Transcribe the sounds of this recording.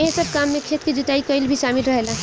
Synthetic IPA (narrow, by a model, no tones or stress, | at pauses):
eɦẽsəb̚kamːẽkʰeːt̪̚kid͡ʒut̪aːikəɪlbʱisaːmilɾəɦela